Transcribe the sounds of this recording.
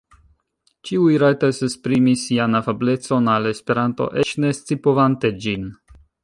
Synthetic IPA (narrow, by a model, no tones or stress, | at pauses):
t͡ʃiujɾajtasespɾimisianafable̞t͡so̞nale̞spe̞ɾanto̞̰ʔe̞t͡ʃne̞st͡sipovanted͡ʒin